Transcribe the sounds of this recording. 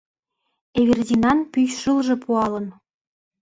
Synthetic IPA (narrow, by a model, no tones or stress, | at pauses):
eβerdʲinɑnpyjʃəlʒĕpuɑlɤ̆n